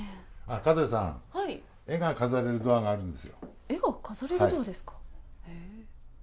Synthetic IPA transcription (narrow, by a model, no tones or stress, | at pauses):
akad̪osã̰ŋhai | e̞ɡakazaɾe̞ɾɯ̟d̪o̞aɡaːɾɯ̟̃nd̪e̞sɨjo̰ | eɡakazaɾe̞ɾaɯid̪oad̪e̞sɨ̥kḁe